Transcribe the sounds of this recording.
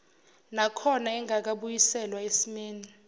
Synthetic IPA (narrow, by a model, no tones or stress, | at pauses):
nakʰɔnaɛŋʱak̬aɓujisɛlwaesimeːni